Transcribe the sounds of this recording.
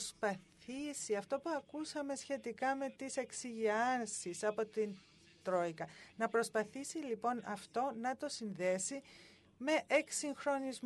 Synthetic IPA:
spɐθisiɐft̪o̞puɐkusɐme̞sçe̞t̪ikɐme̞t̪ise̞ksiʝiɐnsisɐpo̞t̪in | t̪ɾo̞ikɐnɐpɾo̞spɐθisilipo̞nɐft̪o̞nɐt̪o̞sinðe̞si | me̞ʔeksiŋxɾo̞nizm

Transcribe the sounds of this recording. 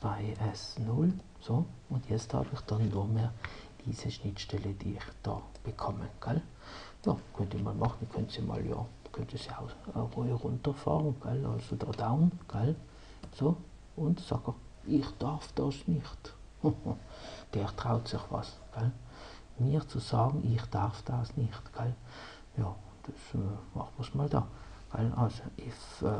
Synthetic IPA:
t͡sv̥aɪɛsnʊl | soʊntjɛt͡sthɑ̰ːbɪχd̥ɑnːumeːʁdiːsəʃnɪtʃtɛləd̥iːɪχd̥ɑ̰ː | b̥əkʰɔməɡ̥ɛl | jɑːkʰœntiːmɑ̰lmɑχn̩kʰœntsimɑ̰ljɑ̰ːkʰœntəsiaʊəʁɔɪʁʊntəʁfɑ̰ːʁn̩ɡ̥ɛlɑ̰lsodɑːdaʊnɡ̥ɛl | so | ʊntsɑ̰ɡə | ɪχd̥ɑʁfd̥ɑːsnɪχt | d̥ɛːʁtʁ̥aʊtsɪχvɑ̰s | ɡ̥al | miːʁt͡susɑːɡŋ̩ʔɪχd̥aʁfd̥ɑsnɪχtɡ̥al | jɑːʊnd̥ɛsmɑ̰χtməsmɑld̥ɑ̰ːɡ̥alʔɑlsoʔɪf

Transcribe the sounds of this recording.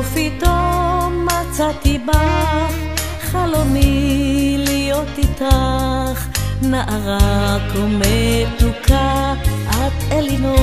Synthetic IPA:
fit̪omat͡sat̪iba | χalomi | lijot̪it̪aχnaʔaʁakomet̪uka | ad̪elino

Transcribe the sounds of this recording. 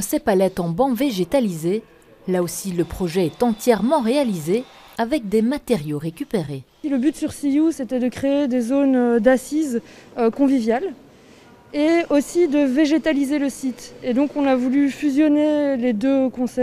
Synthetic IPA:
sepalɛt̪ɑ̃bɑ̃veʒet̪alize | laosiləpχɔʒɛɛt̪ɑ̃t̪jɛʁmɑ̃ʁealize | avɛk̚d̪emat̪eʁjoʁekʲypeʁe | iləbyt̪syʁsiuset̪ɛd̪əkχeed̪ezond̪asizøkɔ̃vivjal | eosid̪əveʒet̪alizeləsit̪ed̪ɔ̃kɔ̃navulyfyzjɔneled̪økɔ̃sɛ

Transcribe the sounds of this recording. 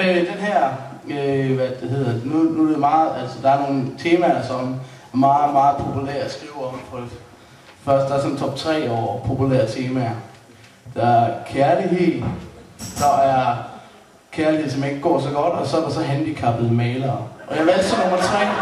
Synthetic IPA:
ød̥enɦæɐ̰øʋæd̥eɦe̝ð̞̰ˠɐdenunuemɑ̈ːð̩ˠæl̰sɒd̥ɑ̈æɐno̝ːn̩t͡sʰe̝ːmæɐsɒ̽m | æɐmɑ̈ːð̩ˠmɑ̈ːð̩ˠpʰo̝pʰulæɐ̰sɡ̥ʁiːʊɒmpʰɒ̽e̥ | fɶɐsd̥ɑ̈ɐsɒ̽n̩t͡sʰɒ̽b̥̚t͡sʰʁɛ̰ːɒ̰ːpʰo̝pulæ̰ɐ̰t͡sʰe̝ːmæɐ | d̥ɑ̈æɐkʰæɐliɦe̝ð̰ˠ | d̥ɒæɐ | kʰæɐlihe̝ð̞̩̰ˠsɒmeŋ̰ɡ̥əɡ̥ɒ̰ːsɒ̽ɡ̥ɒ̽d̥ɒ̽sɒ̽æɾ̥ɑsɒ̽ɦænd̥ikʰɑ̈b̥ð̩ˠmɛɪlɐːʔɒ̽jɑʋælsʰḭnomɐt͡sʰʁɛ̰ː

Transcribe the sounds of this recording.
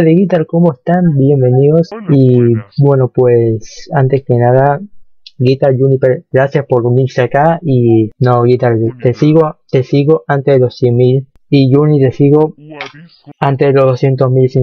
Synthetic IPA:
ðeɣit̪alkomoest̪ambje̞mbe̞niðo̞sibwe̞nopwesant̪eskenaða | ɡit̪ald͡ʒunipeɾɡɾasjaspo̞ɾuniɾseakaʔinoɣit̪alt̪esiɣot̪esiɣo̞ʔant̪eðelosjenmil | iʝunit̪e̞siɣo̞ | ant̪eðelozðosjent̪osmilsi

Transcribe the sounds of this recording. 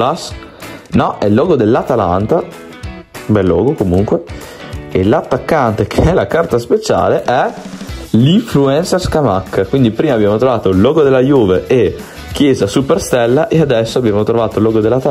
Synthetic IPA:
asnɔʔɛlːɔːɡod̪elːat̪ala̰nt̪a | bɛlːɔ̰ːɡokomuŋkwe | elat̪ːakːant̪ekʰeɛlːakart̪aspet͡ʃa̰ːleʔɛ | liɱfluɛnserskamakːkwind̪ipɾiːmabːjaːmot̪ɾovaːt̪oilːɔːɡod̪elːajuːveʔe | k̟ːjɛːzasuperst̪ɛlːaʔead̪ɛsːoabːjaːmot̪ɾovaːt̪olːɔːɡod̪elːat̪a

